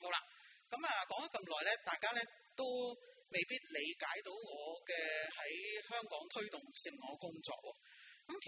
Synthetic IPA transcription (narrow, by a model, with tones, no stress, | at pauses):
ho˨˥wla̰˧kɐ˨˥maː˨˧kɔː˨˥ŋɐ˨˥kɐ˧mlɔː˨jlɛː˥t̪aː˨jkaː˥lɛː˥ | t̪o˥w | me˨jpiː˥t̚le˨˧jkaː˨˥jt̪o˨˥wŋɔː˨˧kɛː˧hɐ˨˥jhœː˥ŋkɔː˨˥ŋt̪ʰɵ˥ɥt̪ʊ˨ŋsɪ˨ŋːɔː˨˧kʊ˥ŋt͡sɔ̰ː˧k̚wɔː˧ | kɐ˨˦mkʰ